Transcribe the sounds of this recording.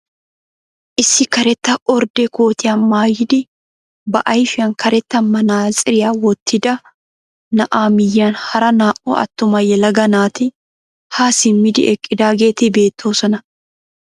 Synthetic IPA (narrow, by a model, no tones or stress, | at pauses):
ʔɪsːɪkɐɾɛt̪ːɐʔɔɾd̪ɛkoːt̪ɪjɐːnmaːjɪd̪ɪ | bɐʔɐjfɪɐŋkɐɾɛt̪ːɐmɐnaːzʼɪɾɪjaːwɔt̪ʰːɪd̪ɐ | nɐʔaːmɪjːaːnhɐɾɐnaːʔo̰ːʔɐ̰t̪ːʊmɐjɛlɐɡɐnaːt̪ɪ | haːsɪnmɪd̪ɪ̰ʔɛkʼːɪd̪aːɡe̞ːt̪ɪbe̞ːt̪ʰːoːsɔnɐ